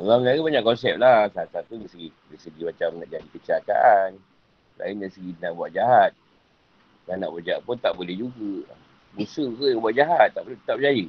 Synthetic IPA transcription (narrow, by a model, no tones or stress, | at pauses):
lamlaɡibaɲãkɔnsɛp̚lasat̪saat̪udasəɡidasəɡimat͡ʃamnaʔd͡ʒadikət͡ʃiaka̰ʔan | lʔa̰ɪndaisəɡinabuaʔ̪̚d͡ʒaɦat̪̚ | lana̰ʔbud͡ʒaaʔ̪̚punt̪aʔbolɛhd͡ʒuɡə | busəkəjabuaʔ̪̚d͡ʒaɦat̪ːaʔpəlut̪ət̪ap̚d͡ʒajə